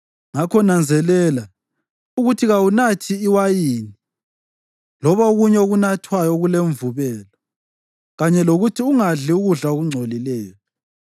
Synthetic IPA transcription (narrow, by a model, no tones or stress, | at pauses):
ŋakʰɔnand͡zʱɛlɛla | uɣutʰiɣawunatʰiːwajiːni | lɔβaoɣuɲɛoɣunatʰwajɔɣuleɱvuβɛːlɔ | ɣaɲɛloɣutʰiuŋaɮiuɣuɮaoɣuŋ͡ǀʱolilɛːjɔ